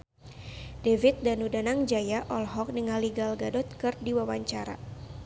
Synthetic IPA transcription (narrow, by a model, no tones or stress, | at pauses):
dɛvit̪̚danudanaŋd͡ʒajaʔɔlɦɔk̚niŋaliɡalɡadɔt̪̚kɨrdiwawaɲt͡ʃaɾa̰